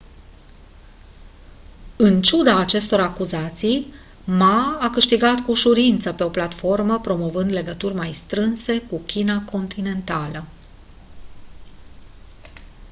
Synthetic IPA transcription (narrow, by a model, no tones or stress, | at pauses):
ɨnt͡ʃud̪aːt͡ʃe̞st̪o̞ɾakuzat̪sij | maːkɨʃt̪iɡat̪kuːʃuɾint̪səpe̞o̞plat̪fo̞rməpɾo̞mo̞vɨnd̪le̞ɡət̪urʲmajst̪ɾɨnse̞kukʲinako̞nt̪ine̞nt̪alə